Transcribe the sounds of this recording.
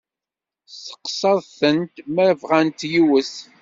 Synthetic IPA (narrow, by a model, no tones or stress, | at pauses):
sə̥qsˤɑðˤθənt̪məɾvʁænt̪jiwəs